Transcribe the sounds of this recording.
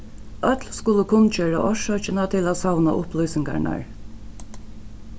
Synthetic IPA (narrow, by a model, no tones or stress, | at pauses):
œt̪lskʊləkʰʊnt͡ʃøːɹa̰ʔɔʂœt͡ʃɪnat̪ʰɪlæːsawna̰ʔʊplujsɪŋka̰ɳa̰ɹ